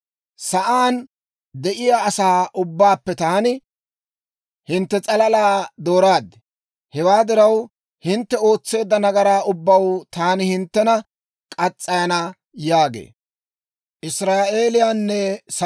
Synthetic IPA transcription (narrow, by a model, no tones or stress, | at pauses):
sɐʔaːn | d̪ɛʔɪjaːsaːʔʊbːaːpːɛt̪aːnɪ | hɪnt̪ːɛt͡sʼɐlɐlaːd̪o̞ːɾaːd̪ɛ | hɛwaːd̪ɪɾɐw | hɪnt̪ːɛo̞ːt͡sːe̞ːd̪ːɐnɐɡɐɾaːʊbːɐwt̪aːnɪhɪnt̪ːɛnɐ | kʼɐt͡sʼːɐjɐnɐ | jaːɡḛː | ʔɪsɾaːʔe̞ːlɪjanːɛs